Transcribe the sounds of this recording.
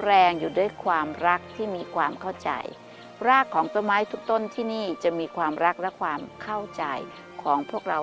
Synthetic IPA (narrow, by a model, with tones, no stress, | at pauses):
ɾɛː˧ŋjuː˨˩du˥˩əjkʰwaː˧mɾa˦˥k̚t̪ʰiː˥˩miː˧kʰwaː˧mkʰa˥˩wt͡ɕa̰˧j | ɾaː˥˩kʰːɔː˩˦ŋsa˧maː˦˥jt̪ʰu˦˥k̚t̪o˥˩nt̪ʰiː˥˩niː˥˩t͡ɕa˨˩miː˧kʰwaː˧mɾa˦˥k̚lɛ˦˥kʰwaː˧mkʰa˥˩wt͡ɕa̰˧j | kʰɔː˩˦ŋpʰu˥˩ək̚ɾa˧w